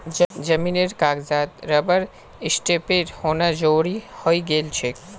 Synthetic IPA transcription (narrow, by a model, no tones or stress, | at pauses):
d͡ʑəmineɾkaɡd͡ʒat̪ɾəbəɾ | isʈepeɾhonad͡ʑowɽihojɡelt͡ɕʰe